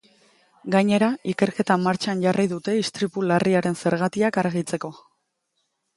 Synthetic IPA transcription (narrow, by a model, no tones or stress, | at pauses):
ɡaɲe̞ɾaike̞ɾke̞t̪amaɾt͡ʃanʝarʔijðut̪e̞ist̪ɾipulariaɾe̞nse̞ɾɣat̪iakaɾɣit͡se̞ko̞